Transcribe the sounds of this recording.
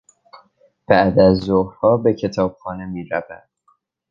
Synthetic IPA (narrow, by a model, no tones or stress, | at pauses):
b̥æʔd̪æzːohhɒːbe̞cʰe̞t̪ʰɒːb̥̚xɒːne̞miːɾævæ̰d̪̥